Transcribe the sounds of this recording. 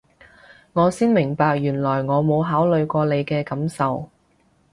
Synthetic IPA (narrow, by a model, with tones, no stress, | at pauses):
ŋɔː˨˧siː˥nmɪ˨˩ŋpaː˧k̚jyː˨˩nlɔː˨˩jŋɔː˨˧mo˨˧wɦaː˨˥wlɵ˨˧ɥkʷɔː˧le˨˧jkɛː˧kɐ˨˥msɐ˨w